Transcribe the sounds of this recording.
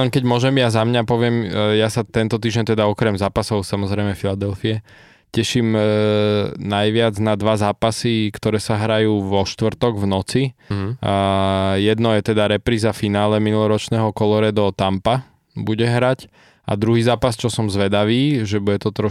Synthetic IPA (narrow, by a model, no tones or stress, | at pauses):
ɛŋkɛɟmʊɔʒɛmjazamɲapɔʋɪɛmjasat̪ɛnt̪ɔt̪̬iːʒɛnt̪ɛd̪aɔkɾɛmzaːpasɔʊsamɔzɾɛɪmɛfilad̪ɛlfiɛ | cɛʃiːm | najʋɪad͡znad̪ʋazaːpasikt̪ɔɾɛːsaɦɾajuːʋɔʃt̪ʋrt̪ɔɡvnɔt͡si | jɛd̪nɔjɛt̪ɛd̪aɾɛpɾiːzafinaːlɛminulɔɾɔt͡ʃnɛːɦɔkɔlɔɾɛd̪ɔt̪ampa | buɟɛɦɾac | a̰d̪ɾuɦiːzaːpast͡ʃɔsɔmzʋɛd̪aʋiːʒɛbujɛt̪ɔt̪ɾɔ